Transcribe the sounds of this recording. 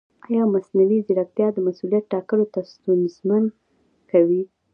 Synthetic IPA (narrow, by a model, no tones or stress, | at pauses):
ɑjɑmasnawiziɽak̚t̪jɑd̪əmasulijat̪̚ʈɑkəlot̪ast̪unzman | kawi